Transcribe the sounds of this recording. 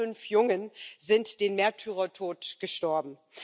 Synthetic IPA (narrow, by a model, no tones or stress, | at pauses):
ʏnfjʊŋənzɪntd̥eːnmɛɐtʰyːʁɐtʰoːtɡ̥əʃtɔɐbm̩